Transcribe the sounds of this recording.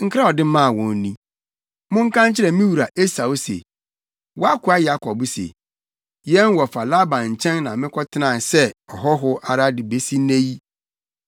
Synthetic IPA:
ŋ̩˦kʰɾa˦ɔ˨dɪ˦mã˦˨wɔ̃˨n˦nĩ˦ | mʊ̃˦ŋ̩˦kʰã˦ɲ˦t͡ɕʰɪ˦ɾɛ˨mĩ˦wu˨ɾa˨ʔe˦sa˨wo˦sḛ˨ | wɔ˦a˦kʰʊ˨˦a˦ja˦kʰɔ˨bʊ˦sḛ˨ | jɛ˦n˦wɔ˨fa˨la˦bã˨nɲ̩˨t͡ɕʰɛ̃˦nːã˨mɪ̃˦kʰɔ˦tʰɪ˦nã˨sɛ˦ɔ˨ɦɔ˦ɦʊ˦ʔa˨ɾa˦dɪ˨be˦si˦nẽ˦ji˦

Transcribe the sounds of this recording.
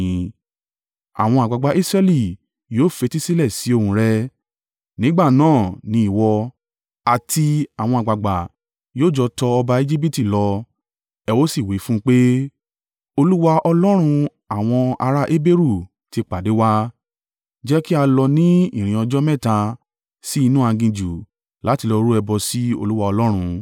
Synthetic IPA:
ĩ˨˦ | a̰˨w̃ɔ̃˧a˨ɡ͡ba˨ɡ͡ba˧ʔi˦sɾɛ˧li˦˨ | joː˦˨fe˧ti˦si˦lɛ˦˨si˨˦o˦˨hũ˧˦ɾɛ˧ | nĩ˦ɡ͡ba˦˨nãː˦˨nĩ˧˦i˦˨wɔ˧ | a˨tʰi˧a˨w̃ɔ̃˧a˨ɡ͡ba˨ɡ͡ba˨ | joː˦˨d͡ʒɔ˧tɔ˧ɔ˧ba˧e˧d͡ʒi˦p̬i˦˨ti˦˨lɔ˧ | ɛ˧wo˦si˦˨wi˨˦fũ˦k͡pe˦ | o˧lu˦wa˧ʔɔ˧lɔ˦ɾ̃ũ˧ | a˨w̃ɔ̃˧a̰˧ɾa˦ʔe˦be˦ɾu˦˨ | ti˧k͡pa˨de˨˦wa˦ | d͡ʒɛ˦ki˦a˧lɔ˧nĩ˦ḭ˦˨ɾ̃ĩ˨ɔ˧d͡ʒɔ˦mɛ̃˦˨tã˧ | si˦i˧nũ˦ã˧ɡĩ˧d͡ʒu˨ | la˨˦ti˧lɔ˧ɾu˦ɛ˧bɔ˧si˦o̰˦˧lu˦wa˧ɔ˧lɔ˦ɾ̃ũ˧

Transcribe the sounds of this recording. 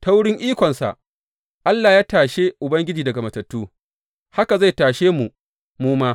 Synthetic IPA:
ta˦wʊ˦ɽɪ˦ŋʔiː˦kʷɔ˨nsa̰˨ʔ | ʔa˦lːaː˨jaː˦taː˨ʃe˦ʔʊ˨bɐ˦ŋɡʲɪ˦d͡ʒiː˨dɐ˨ɡa˨mɐ˨tɐ˨tːuː˦ | ha˦ka˨za˦˨jtaː˨ʃeː˦mu˨ | muː˦maː˦

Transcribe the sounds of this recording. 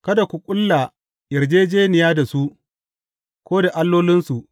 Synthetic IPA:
kɐ˦da˨kʷu˨kʷʼʊ˦lːa˨ | jɪ˨rd͡ʒeː˦d͡ʒeː˦nɪ˨jaː˦da˨su˦ʔ | kʷoː˦da˨ʔa˦lːoː˦lɪ˦nsu˨ʔ

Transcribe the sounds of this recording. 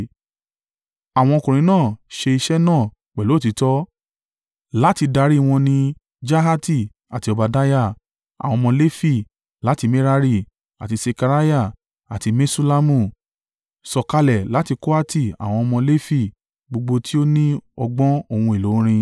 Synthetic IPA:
a˨w̃ɔ̃˧kũ˨ɾ̃ĩ˨˦nãː˦˨ʃe˧i˧ʃɛ˦nãː˦˨ | k͡pɛ˨lo˨˦˨ti˨˦tɔ˦ | la˦ti˧da˧˦ɾi˦˧w̃ɔ̃˧nĩ˧ | d͡ʒa˦ɦa˦ti˦˨ | a˨ti˧ɔ˧ba˨˧da˦ja˦˨ | a̰˨wɔ̃˧mɔ̃˧le˦fi˦˨ | la˨˦ti˧me˦ɾa˧ɾi˦˨ | a̰˨ti˧se˧ka˧ɾa˦ja˦˨ | a̰˨ti˧mẽ˦su˦la˦mũ˦˨ | sɔ˨ka˧lɛ˨la˨˦ti˧ko˦a˦ti˦˨a̰˨w̃ɔ̃˧ɔ˧mɔ̃˧le˦fi˦˨ | ɡ͡bo˧ɡ͡bo˧tʰi˦o˦nĩ˦ɔ˧ɡ͡bɔ̃˦o˦˧˨hũ˧e˨lo˨˦ɾ̃ĩ˧

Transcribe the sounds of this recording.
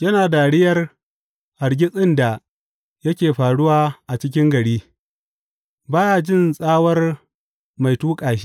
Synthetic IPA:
jɐ˦naː˨daː˨ɽɪ˦jɐ˦r | ha˨ɾɡʲɪ˦sʼɪ˦nda˨ | jɐ˦kʲeː˨ɸaː˨ɽʊ˦waː˦ʔa˨t͡ʃɪ˦k̬ʲɪ˦ŋɡɐ˨ɽiː˦ | baː˦jaː˨d͡ʒɪ˦˨nsʼaː˦wɐ˦r | ma˨jtuː˦kʼaː˨ʃi˦

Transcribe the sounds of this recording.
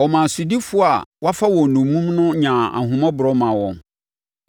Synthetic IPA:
ɔ˨mã˨sʊ˨di˦fʊ˦a˨wa˦fa˦wɔ̃˨nũ˨mũ˦mnʊ̃˦ɲã˨a̰˨ɦʊ̃˨mã˦bʊ˨ɾɔ˦mã˨wɔ̃˨ŋ

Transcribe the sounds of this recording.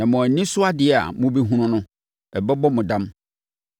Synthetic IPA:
nã˨mʊ̃˨æ˨nĩ˦sʊ˦a˦dɪ˨ɛ˨a̰˨mʊ̃˦bi˦ɦũ˦nʊ̃˦nʊ̃˦ | ɛ˨bɛ˦bɔ˦mʊ̃˨dã˦m

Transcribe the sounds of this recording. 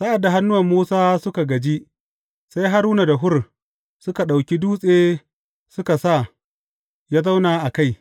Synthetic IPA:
sa˦ʔa˨dːa˨ɦa˦nːʊ˦wɐ˨mːuː˦saː˦sʊ˦ka˨ɡɐ˨d͡ʒi˦ʔ | sa˦jɦa˦ɾuː˦na˨da˨ɦʊ˦r | sʊ˦ka˨ɗa˨wkʲi˦duː˦sʼeː˦ | sʊ˦ka˨sa˦˨ | jaː˦za˦wnaː˨ʔa˨ka˦˨j

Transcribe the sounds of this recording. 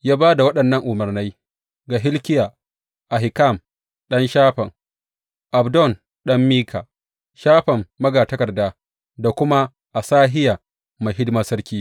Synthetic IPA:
jaː˦baː˦da˨wɐ˦ɗɐ˨nːɐ˦˨ŋʔʊ˨mɐ˨rna˦j | ɡaː˨ɦɪ˦lkʲɪ˦jaː˨ | ʔa˨ɦɪ˨ka˦˨m | ɗɐ˦nʃaː˦ɸɐ˨ŋ | ʔa˨bdɔ˦˨n | ɗɐ˦mːiː˦kʰa̰ː˨ | ʃaː˦ɸɐ˨mːɐ˦ɡaː˨tɐ˦kɐ˨rdaː˦ | da˨kʷʊ˦ma˦ | ʔa˨saː˦ɦɪ˦jaː˨ | ma˨jɦɪ˦dmɐ˦sɐ˦ɾkʲiː˦

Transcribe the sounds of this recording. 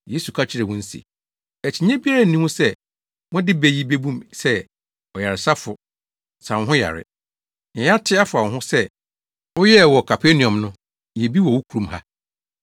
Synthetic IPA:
je˦su˨kʰa˦t͡ɕʰɪ˦ɾɛ˨wʊ̃˦n̩˦sḭ˨ | ɛ˨t͡ɕʰi˨ɲɛ̃˦bi˦a˦ɾa˦n̩˨nĩ˦hũ˦sɛ˦ | wʊ̃˦dɪ˦be˦ji˦be˦bũ˦msɛ˦ | ɔ˨ja˨ɾɪ˨sa˦fʊ˨ | sã˨wɦʊ̃˦ja̰˨ɾɪ̰˨ | ɛ̃˨ja˦tʰɪ˦a˦fʊ˨ã˨ɦʊ̃˦sɛ˦ | ʊ˦jɛ˦˨wɔ˨kʰa˨pʰe˦nĩ˨ɔ̃˨mnʊ̃˦ | jɛ˨bi˦wɔ˨wʊ˦kʰu˨ɾũ˦mɦa̰˦

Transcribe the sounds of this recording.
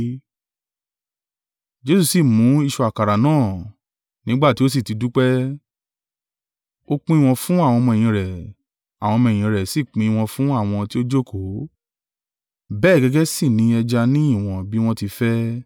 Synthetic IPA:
d͡ʒe˦su˧si˦˨mũ˨˦i˧ʃu˧a˨ka˨ɾa˨nãː˦˨ | nĩ˦ɡ͡ba˦˨ti˨˦o˦s̬i˦˨ti˧du˦k͡pɛ˦ | o˦k͡pĩ˦i˦˧w̃ɔ̃˧fũ˦a˦˨w̃ɔ̃˧mɔ̃˧e˨j̃ĩ˧˨ɾɛ˨ | a˨w̃ɔ̃˧mɔ̃˧e˨j̃ĩ˨˧˨ɾɛ˨si˦˨k͡pĩ˧i˧w̃ɔ̃˧fũ˦a˦˨w̃ɔ̃˧ti˦o˦d͡ʒo˦˨kʰo˨˦ | bɛː˦˨ɡɛ˧ɡɛ˦si˦˨nĩ˨˦ɛ˧d͡ʒa˧nĩ˦ĩ˦˨w̃ɔ̃˧bi˦w̃ɔ̃˦ti˧fɛ˦

